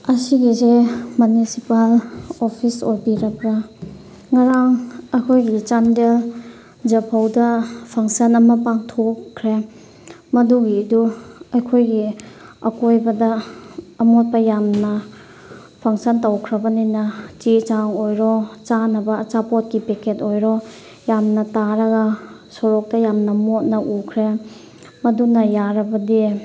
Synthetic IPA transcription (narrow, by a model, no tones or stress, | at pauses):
ɐsiɡizemunisipalopʰisojbiɾɐkɐ | ŋaɾaŋɐjkʰojɡit͡ʃandel | d͡ʒɐpʰawdɐpʰaŋsɐnɐmɐpaŋtʰokʰːɾe | mɐduɡiduɐjkʰojɡiɐkojbɐdɐː | mot̚pɐjamnɐ | pʰaŋsɐntɐwkʰɾɐbɐninɐt͡ʃit͡ʃaŋojɾɔt͡ʃanɐbɐːt͡ʃapot̚kipeketojɾɔ | jamnɐtaɾɐɡɐ | soɾɔk̚tɐjamnɐmot̚nɐʔukʰɾe | mɐdunɐjaɾɐbɐdi